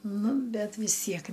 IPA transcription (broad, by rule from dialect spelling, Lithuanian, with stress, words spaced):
ˈnʊ ˈbʲɛt ʋʲɪs ˈtʲiɛk